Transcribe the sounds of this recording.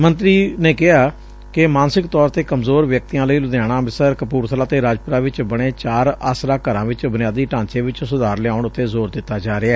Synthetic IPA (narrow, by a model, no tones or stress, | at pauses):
mənt̪ɾiːneːkɪɦaː | kɪmaːnsɪkt̪ɔːɾt̪eːkəmzoːɾʋjək̚t̪ijãːləiːlʊd̪jaːɽ̃ãːɪsəɾkəpuːɾt̪ʰəlaːt̪eːɾaːd͡ʒpʊɾaːʋɪt͡ʃbəɽ̃eːt͡ʃaːɾaːsɾaːkəɾãːʋɪt͡ʃbʊnɪjaːd̪iːʈãːnt͡ʃeːʋɪt͡ʃsʊd̪aːɾleaːʊɳʊt̪ːeːzoːɾd̪ɪt̪ːaːd͡ʒaːɾɪɛː